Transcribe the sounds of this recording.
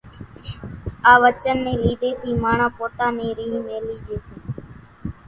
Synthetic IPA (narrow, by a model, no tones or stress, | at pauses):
aːʋət͡ʃənːẽːliːd̪eːt̪ʰiːmaːɳãːpoːt̪ãːnẽːɾiːmeːliːd͡ʒeːseː